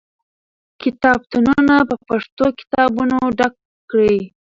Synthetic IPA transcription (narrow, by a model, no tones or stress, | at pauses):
kɪt̪ɑb̚t̪ununapəpaʂt̪okɪ̥t̪ɑbunoɖak | kɽi